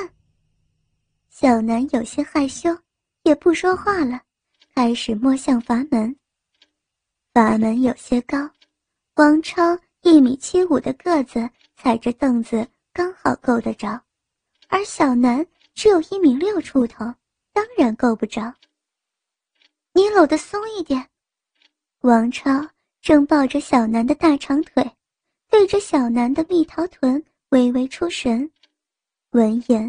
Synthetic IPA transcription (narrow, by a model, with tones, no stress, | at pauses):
ɕjɑ˨˩ʊna˧˥njo˨˩ʊɕjɛ˥xa˥˩ɪɕjo˥ʊ | jɛ˨˩pu˥˩ʂwɔ˥xwa˥˩lə˩ | kʰa˥ɪʂɻ̩˨˩mwɔ˥˧ɕjɑ˥˩ŋfa˧˥mə˧˥n | fa˧˥mə˧˥njo˨˩ʊɕjɛ˥kɑ˥ʊ | fwɑ˧˥ŋʈ͡ʂʰɑ˥ʊ | i˥˩mi˨˩t͡ɕʰi˥u˨˩d̪ə˦kɤ˥˩d͡z̩˩ | t͡sʰa˨˩ɪʈ͡ʂə˧˦t̪ɤ˥˩ŋd͡z̩˩ | kɑ˥ŋxɑ˨˩ʊko˥˩ʊd̪ə˩ʈ͡ʂɑ˨˥˦ʊ | ə˞˧˥ɕjɑ˨˩ʊna˧˥n | ʈ͡ʂɻ̩˧˥jo˨˩ʊi˥˩mi˨˧˥ŋljo˥˩ʊʈ͡ʂʰu˥t̪ʰo˧˥˦ʊ | t̪ɑ˥ŋɻa˧˥nko˥˧ʊpu˥˩ʈ͡ʂɑ˨˩ʊ | ni˧˥lo˨˩ʊd̪ə˦sʊ˥ŋi˥˩t̪jɛ˨˩˦n | wɑ˧˥ŋʈ͡ʂʰɑ˥ʊ | ʈ͡ʂɤ˥˧ŋpɑ˥˧ʊʈ͡ʂə˩ɕjɑ˨˩ʊna˧˥nd̪ə˧t̪a˥˩ʈ͡ʂʰɑ˧˥ŋt̪ʰwe˨˩˦ɪ | t̪we˥˩ɪʈ͡ʂə˧˦ɕjɑ˨˩ʊna˧˥nd̪ə˧mi˥˩t̪ʰɑ˧˥ʊt̪ʰwə˧˥n | we˧˥ɪwe˧˥ɪʈ͡ʂʰu˥ʂə˧˥n | wə˧˥njɛ˧˥n